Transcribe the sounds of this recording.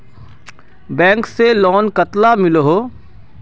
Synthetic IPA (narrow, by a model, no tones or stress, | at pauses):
bɛ̃ːŋkselɔːnkət̪lamɪlɦoː